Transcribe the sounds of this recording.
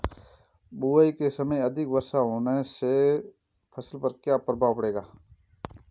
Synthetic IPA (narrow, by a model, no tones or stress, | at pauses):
buaikesəməjɐd̪ʱɪkbəɾsaɦoːnese | pʰəsəlpəɾkjaːpəɾbapəɽeːɡaː